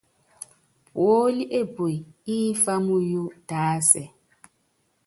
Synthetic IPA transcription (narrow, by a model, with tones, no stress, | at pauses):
wo˦li˦ʔe˦bu˨i˨i˦fa˦mu˦ju˦d̥aː˨˦sɛ˨